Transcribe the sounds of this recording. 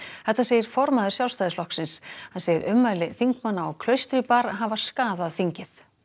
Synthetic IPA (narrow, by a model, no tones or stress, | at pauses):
θɛht̪ːasɛːjɪɾ̥fɔɾmaðʏɾsjawlst̪ajðɪslɔhksɪnshansɛjɪɾʏmːalɪθiŋkmanːaɔɣkʰlœɥst̪ɾɪpaɾɦavaɾ̥skaːðaðθiɲcɪθ